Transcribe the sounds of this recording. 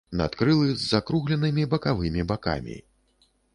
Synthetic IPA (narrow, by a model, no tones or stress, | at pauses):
na̰t̪kɾɨlˠɨzːakɾuɣlʲɛnɨmʲibɐkavɨmʲibaka̰mʲḭ